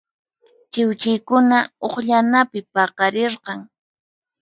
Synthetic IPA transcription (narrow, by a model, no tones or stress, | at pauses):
t͡ʃɪwt͡ʃɪjkʊnaoχʎanapɪpɑqɑɾɪɾqɑŋ